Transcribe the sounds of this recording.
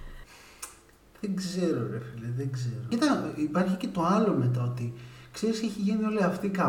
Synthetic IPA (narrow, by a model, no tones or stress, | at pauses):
ðeɡze̞ɾo̞ɾefileðeɡze̞ɾoit̪ɐipɐɾçice̞t̪o̞ɐlo̞me̞t̪̬ɐo̞t̪ikse̞ɾiseçiʝinio̞liɐft̪ikɐ